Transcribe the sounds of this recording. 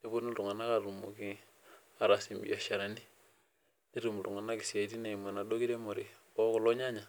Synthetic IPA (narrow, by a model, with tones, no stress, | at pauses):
e˦bo˦nu˦ɾu˨ŋa˨na˦ka˨ɾu˨mu˨ki˦ | a˨ɾa˨si˨mbḭ˨a˨ʃa˨ɾa˨ni˦ | i˦ɾu˨mu˨ɾu˨ŋa˨na˦ki˨si˨a˨ti˦ne˨ma˨na˨do˦ki˦ɾe˦mo˨ɾi˨ | o˦ko˨lo˦ɲa˦ɲa˨